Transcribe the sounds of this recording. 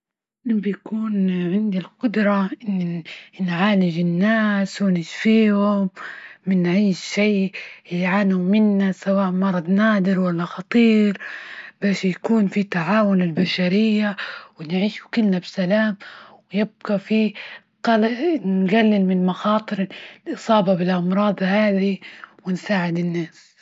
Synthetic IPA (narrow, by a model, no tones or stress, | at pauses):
ɪnbjakuːnʕɪnd̪ilqʊd̪ɾˤɑʔɪnːinʕaːlɪd͡ʒɪnːaːswɪnɪʃfiːhʊmːɪnʕiːʃʃiːjʕaːnhʊmːɪnːasawaːʔmɑɾˤɑd̪naːd̪ɪɾwalːaxɑt̪ˤiːɾb̥aːʃjakuːnfit̪aʕaːwʊnɪlbaʃaɾɪjːawɪnʕiːʃukɪlnabsalaːmwɪjɪb̚ɡɑfi | qɑlnɡalːɪlmɪnmaxɑːt̪ˤɨɾlʔɨsˤɑːbɑbɪlʔɑmɾˤɑːd̪ˤhaːðiwɪnsaːʕɪd̪ɪnːaːs